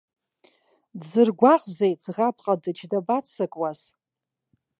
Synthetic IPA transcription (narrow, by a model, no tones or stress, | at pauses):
dzɨrɡʷaqʼzejt͡sʁapʼqʼadɨt͡ʃʰdabat͡sʰːɨkʼwaz